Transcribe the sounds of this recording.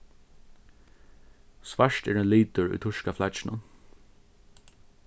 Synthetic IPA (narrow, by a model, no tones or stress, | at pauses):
sʋaʂtɛːɹɛnliːt̪ʊɹʊ̰jt̪ʰʊʂkaflat͡ʃɪnʊ̰